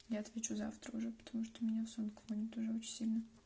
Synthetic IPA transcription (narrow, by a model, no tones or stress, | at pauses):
jaɐt̪vʲet͡ɕuzaft̪ɾəuʐɛpə̥t̪ɐmuʂt̪omʲɪnʲafsonkvonʲɪt̪ʊʐɛot͡ɕɪnʲsʲilʲnə